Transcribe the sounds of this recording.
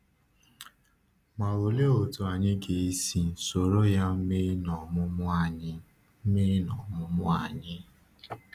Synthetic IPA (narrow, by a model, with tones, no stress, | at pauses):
ma˨wo˨le˦o˨to˨a˨ɲɪ˦ɡe˨i˦si˨n̩˨so˨ɾo˦ja˦m̩˦m˦nɔ˨mʊ̃˦mʊ˦a˦˨ɲɪ˦ | m̩˦mɪ˦nɔ˨mʊ̃˦mʊ̃˦a˨ɲɪ˦